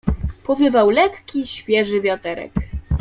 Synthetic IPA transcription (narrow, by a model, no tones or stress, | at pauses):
pɔvʲjɘvawlɛkːʲiɕfʲjɛʐɘvʲjat̪ɛɾɛ̰k